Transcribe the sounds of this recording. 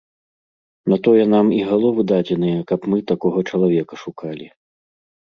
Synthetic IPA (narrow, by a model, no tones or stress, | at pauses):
nat̪ɔjɛnamiɣalˠɔvɨd̪ad͡zʲɛnɨjɐkɐpmɨt̪akɔɣɐt͡ʂɐlˠavʲɛkɐʂukalʲi